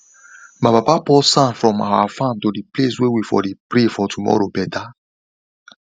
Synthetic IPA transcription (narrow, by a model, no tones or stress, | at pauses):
mababapɔsãnfɾɔ̃ma̰wa̰fãmtodipleswewifɔ̰dipɾefɔtʰumɔ̰ɾobɛta